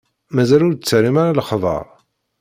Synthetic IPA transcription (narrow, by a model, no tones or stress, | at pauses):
mæzælʊɾt͡sːəɾimaɾalχðˤə̰ɾˤ